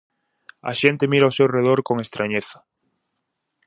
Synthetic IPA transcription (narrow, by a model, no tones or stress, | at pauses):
a̰ʃent̪emiɾawsewreð̞oɾkoŋest̪ɾʔaɲeθḁ